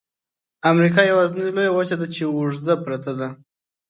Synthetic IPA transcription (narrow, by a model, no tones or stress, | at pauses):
amɾikɑjawɑznalojawat͡ʃad̪at͡ʃewuʐzapɾat̪ad̪a